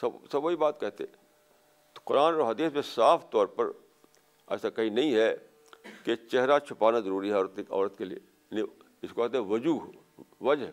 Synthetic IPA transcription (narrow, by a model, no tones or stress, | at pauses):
sɐsɐbʋoɦibaːt̪kɛɦt̪eɛ̃ | qʊɾaːnɾoɦɐd̪iːsmẽsaːfʰt̪ɔːɾpɐɾ | ɛ̰ːsakɐɦĩnɐɦĩɦɛ | ket͡ʃɛɦɾat͡ʃʰʊpaːnazɐɾuːɾiɦɛɔːɾət̪eɔ̰ːɾət̪keliḛ | ni | ɪskokɛɦt̪eɦʋɐd͡ʒuːɦ | ʋɐd͡ʒɦ